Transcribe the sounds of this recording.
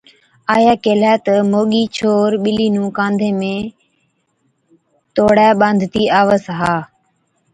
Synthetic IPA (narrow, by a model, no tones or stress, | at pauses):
aːjaːkeːlɛːt̪əmoːɠiːt͡ʃʰoːɾɓɪliːnũːkãːnd̪ʱẽːmẽː | t̪oːɽaːɓãːnd̪ʱt̪iːaːʋəsɦaː